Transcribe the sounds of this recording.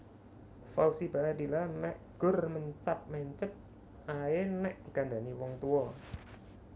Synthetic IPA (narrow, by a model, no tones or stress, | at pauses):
fausibaad̪ilanɛʔɡ̥ʊ̤rməɲt͡ʃap̚mɛɲt͡ʃəp̪̚ | ʔaenɛʔd̪̥i̤kanda̤niwɔŋt̪uɔ